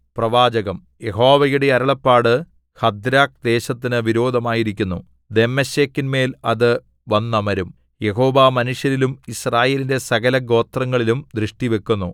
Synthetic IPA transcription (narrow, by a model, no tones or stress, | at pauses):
prɐʋaːd͡ʑɐɣɐm | je̞ɦo̞ːʋɐjuɽe̞ɐɾɐɭɐpːaːɽɨ | hɐd̪ɾaːk̚d̪e̞ːɕɐt̪ːinɨʋiɾo̞ːd̪ʱɐmaːjiɾik̬ʲːunːu | d̪e̞mɐɕekːinme̞ːlɐðɨ | ʋɐnːɐmɐɾum | je̞ɦo̞ːʋaːmɐnuʂjɐɾilumisraːje̞ːlinde̞sɐɣɐlɐɡo̞ːt̪rɐŋːɐɭilumd̪rɨʂʈiʋe̞kːunːu